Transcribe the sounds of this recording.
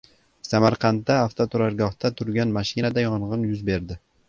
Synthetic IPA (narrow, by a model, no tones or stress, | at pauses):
samaɾqʰɑnt̪ːaːft̪ʰot̪ʰʊɾaɾɡɒht̪at̪ʰʊɾɡʲanmaʃɪnad̪ajɒɴʁɨnjʊzbe̞ɾd̪ɪ